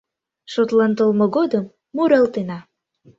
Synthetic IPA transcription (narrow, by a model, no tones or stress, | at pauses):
ʃot̪lɑnt̪əlmŏɣod̪əmː | uɾɑlt̪enɑ